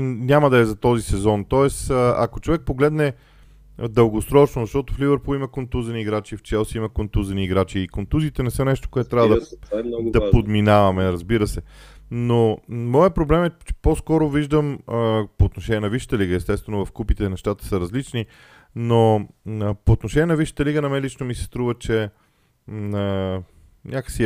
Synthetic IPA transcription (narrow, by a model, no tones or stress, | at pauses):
nʲaməd̪ɐɛzɐt̪ɔzisɛzɔnt̪ɔɛsɐ̰kot͡ʃovɛk̚poɡlɛd̪nɛ | d̪əlˠɡosɾɔt͡ʃnozɐʃt̪ɔt̪ʊflivəɾpulˠimɐkont̪uzəniːɡɾat͡ʃift͡ʃɛlˠsiimɐkont̪uzəniːɡɾat͡ʃiːkont̪uziːt̪ɛnɛsɤnɛʃt̪o̥koɛt̪t̪ɾʲavəd̪ɐ | d̪ɐpod̪minavɐmɛɾɐzbiɾəsɛnomɔjəpɾoblɛmɛt͡ʃɛ̥poskɔɾʊviʒd̪əməpoːt̪noʃɛnʲiɛnɐviʃə̥t̪əliɡəɛst̪ɛst̪vɛnʊvɐfkupit̪ɛnɛʃt̪at̪ə̥səɾɐzlit͡ʃni | noəpoːt̪noʃɛnʲiɛnɐviʃə̥t̪əliɡənɐmɛlit͡ʃnomisɛ̥st̪ɾuvət͡ʃɛ | ə | nʲʔakə̥ksi